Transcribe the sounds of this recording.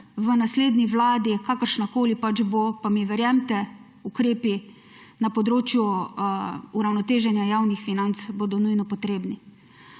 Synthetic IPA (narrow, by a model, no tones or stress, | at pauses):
ʋənasleːd̪niʋlaːd̪ikaːkəɾʃnakoːlipad͡ʒbopamiʋɛɾjɛmt̪ɛ | ukɾeːpi | napɔd̪ɾoːt͡ʃju | uɾawnɔt̪eːʒɛnjajaːwnixfinant̪sboːd̪ɔnujnɔpɔt̪ɾeːbni